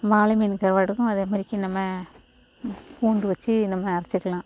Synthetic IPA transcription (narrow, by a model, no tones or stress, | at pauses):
ʋaːlɐminkɐɾʋɐɽɯkːʊ̃ɐðɯmɐɾɪkʲːɐ̃nɐmːɐ | puːɳɖɯʋɐt͡ʃːɯnɐmːɐːɾɐt͡ʃːɯkːɐlãː